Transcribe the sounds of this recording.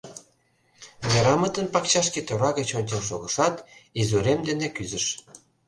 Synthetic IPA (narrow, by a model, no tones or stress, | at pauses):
neɾɑmət̪ənpɑkt͡ɕɑʃket̪oβɑɣet͡ɕonʲt͡ɕenʃoɣəʃɑt̪izuɾemd̪enekyzəʃ